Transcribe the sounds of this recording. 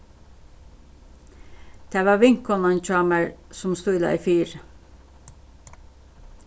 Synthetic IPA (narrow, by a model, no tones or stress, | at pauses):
d̪̥eːʋɑːʋɪŋkɔnɑnc͡çɑːməɹsʊmst̪uːɪd̪ɑ̰ːiːfyːɾ